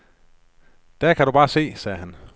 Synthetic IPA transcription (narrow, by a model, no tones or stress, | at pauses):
d̥ækʰæɾub̥ɑ̈ːse̝̰ːsɛːɦæn